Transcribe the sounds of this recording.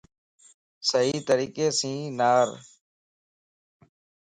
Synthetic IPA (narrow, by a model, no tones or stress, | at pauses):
səɦiːt̪əɾiːkeːsĩːnaːɾ